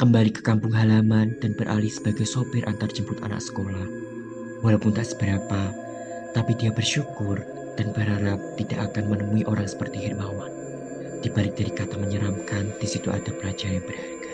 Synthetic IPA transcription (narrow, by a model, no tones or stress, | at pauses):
kəmbalikə̥kampʊŋɦalamand̥anb̥ərʔa̰lisə̥b̥aɡajsopɪrʔa̰nt̪ard͡ʒəmpʊt̪a̰na̰k̚sə̥kolah | walawpʊnt̪aʔsə̥bəɾapa | t̪apidiabərʃukʊr | d̥anbəɾɦaɾap̚t̪idaʔakanmənəmuiʔoɾaŋsə̥pərt̪ihɪrmawan | d̥ibalɪk̚d̥aɾikat̪aməɲəɾamkand̥isit̪uʔa̰dapəlad͡ʒajab̥əraɡḁ